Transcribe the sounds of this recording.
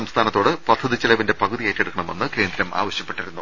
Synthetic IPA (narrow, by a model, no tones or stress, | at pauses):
ɐmst̪ʰaːnɐt̪ːo̞ːɽɨpɐd̪ʰʱːɐðit͡ɕːɐlɐʋinde̞pɐɣuðijejitːeɽukːɐɳɐme̞nːɨke̞ːnd̪ɾɐma̰ːʋɐɕjɐpːe̞ʈːiɾunːu